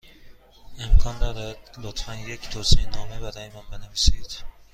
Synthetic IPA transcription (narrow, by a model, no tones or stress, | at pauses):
emkʰɒːnd̪ɒdææd̪̥lot̪fænject̪ʰoːseenɒːmebæd̪ænemænbeneviːsed̪̥